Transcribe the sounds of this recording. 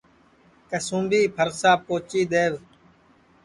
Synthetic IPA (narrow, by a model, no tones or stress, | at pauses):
kəsũːmbiːpʰəɾksaːpoːt͡ʃiːd̪eːʋ